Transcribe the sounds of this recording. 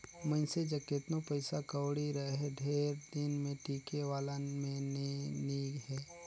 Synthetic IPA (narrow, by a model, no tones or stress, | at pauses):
mə̃ɪsed͡ʒɐket̪nopəɪsakəwɽiɾəɦeɖʱeːɾd̪ɪnmẽʈiːkeʋaːlamẽneniːɡɦɛː